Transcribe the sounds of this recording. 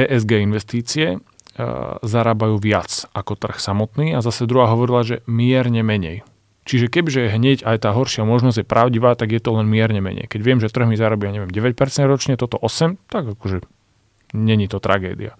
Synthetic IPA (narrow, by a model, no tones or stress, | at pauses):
ʔɛːʔɛzɡɛːinʋɛst̪iːt͡siɛ | zaɾaːbajuːʋɪat͡sʔakɔt̪r̩xsamɔt̪niːazasɛd̪ɾuɦaːɦɔʋɔɾilaʒɛmɪɛɾɲɛmɛɲɛ̰j | t͡ʃiʒɛkɛbiʒɛɦɲɛɟajt̪aːɦɔɾʃɪamɔʒnɔzɟjɛpɾaʊɟiʋaːt̪aɡjɛt̪ɔlɛnmɪɛɾɲɛmɛ̰ɲɛ̰jkɛɟʋɪɛmʒɛt̪r̩ɦmizaɾabiaɲɛʋɪjɛmɟɛʋɛc̚pɛɾt͡sɛnd̪ɾɔt͡ʃɲɛt̪ɔt̪ɔʔɔsɛmt̪aɡakɔʒɛ | ɲɛɲit̪ɔt̪ɾa̰ɡɛ̰ːd̪ḭa